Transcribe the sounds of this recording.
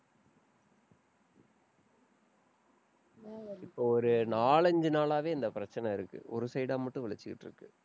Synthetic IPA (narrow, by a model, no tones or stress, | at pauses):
ɪpːoːɔɾɯnaːɭɐɲd͡ʒɯnaːɭaːʋeːɪnd̪ɐpɪɾɐt͡ʃːɐnɐɪɾɯkːɯ̰ʔɔ̰ɾɯsɐɪɽaːmɐʈːɯ̃ʋɪɭɐt͡ʃːɯkːɪʈːrɯ̰kːɯ